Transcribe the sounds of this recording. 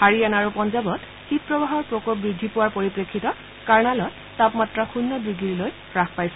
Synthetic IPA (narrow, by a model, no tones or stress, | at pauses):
haɹianaɹupɔnzabɔt | xit̚pɹɔbaɦɔɹpɹɔkop̚bɹidʱːipʊwaɹpoɹipɹekʰːitɔ | kaɹnalɔtːapmatɹaxunːɔbɹiɡiɹiloj | ɹaxpajsɛ